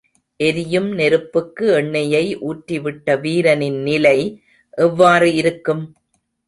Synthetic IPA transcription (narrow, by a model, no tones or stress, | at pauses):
ʔɛɾɪjɯmnɛɾɯpːɯkːɯɛɳːɐjɐɪʔuːʈɾiʋɪʈːɐʋiːɾɐnɪnːɪlɐɪ | ʔɛʋːaːrɯɪɾɯkːɯm